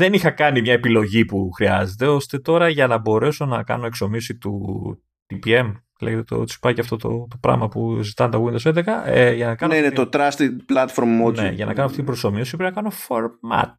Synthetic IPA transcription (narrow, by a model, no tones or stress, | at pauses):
ðe̞nixɐkɐnimɲɐe̞pilo̞ʝipuxɾiɐze̞t̪e̞o̞st̪e̞t̪o̞ɾɐʝɐnɐbo̞ɾe̞so̞nɐkɐ̰no̞e̞kso̞miosit̪ṵ | t̪ipie̞m | leʝet̪et̪o̰t̪isi̥pɐjcɐft̪o̞t̪o̰t̪o̞pɾɐ̰mɐpuzit̪ɐnt̪ɐɣwind̪osend̪e̞xɐeʝɐnɐkɐneinet̪ot̪ɾɐst̪iplɐt̪foɾmonḛʝɐ̰nʔɐ̰kɐnoɐft̪it̪ibɾoso̞miosipɾenɐkɐno̞foɾmɐ̰t̪̚